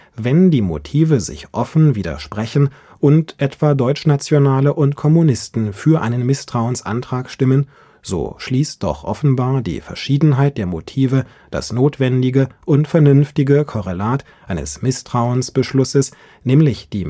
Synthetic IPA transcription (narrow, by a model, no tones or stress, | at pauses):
vɛndiːmo̰tʰiːvəzɪ̰çʔɔfn̩viːdɐ̰ʃpʁ̥ɛçn̩ | ʔʊntʔɛtv̥aːdɔʏt͡ʃnat͡sjonaːləʔʊntkʰɔmunɪstn̩fyːɐʔaɪnənmɪstʁ̥aʊənsʔa̰ntʁ̥aːkʃtɪmən | z̥o̰ːʃliːst̚d̥ɔ̰χʔɔ̰fn̩baːɐdḭːfɛɐʃiːdn̩ɦaɪt̚d̥eːɐmotʰiːvə | d̥a̰snoːtv̥ɛndɪɡəʔʊntfɛɐnʏnftɪɡəkʰɔʁelaːt | ʔaɪnə̰smɪstʁ̥aʊənsb̥əʃlʊsəs | nɛːmlɪçd̥iː